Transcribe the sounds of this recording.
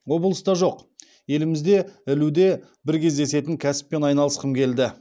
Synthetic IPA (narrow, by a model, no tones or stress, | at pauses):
wo̞blˠəst̪ɑʒo̞q | je̞lɪmɪzd̪e̞ɪlud̪e̞ | bɪɾkʲe̞zd̪e̞se̞t̪ɪŋkʲʰæsɪ̥pːe̞nɑjnɑlˠəsqəmkʲʰe̞ld̪ɪ